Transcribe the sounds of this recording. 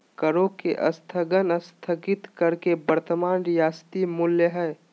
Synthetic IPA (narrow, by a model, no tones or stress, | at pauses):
kəɾokeʔə̰st̪ʰəɡənəst̪ʰəɡɪt̪kəɾkebəɾt̪əmaːnijaːst̪imʊljəɦɛː